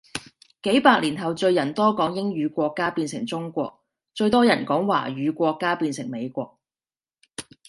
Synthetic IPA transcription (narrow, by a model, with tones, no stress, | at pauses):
ke˨˥jpaː˧k̚liː˨˩nɦɐ˨wt͡ʃɵ˧ɥjɐ˨˩nt̪ɔː˥kɔː˨˥ŋjɪ˥ŋɥyː˨˧kʷɔː˧kːaː˥piː˧nsɪ˨˩ŋt͡sʊ˥ŋkʷɔ̰ː˧k̚ | t͡ʃɵ˧ɥt̪ɔː˥jɐ˨˩nkɔː˨˥ŋwa̰ː˨˩ɥyː˨˧kʷɔː˧kːaː˥piː˧nsɪ˨˩ŋme˨˧jkʷɔː˧k̚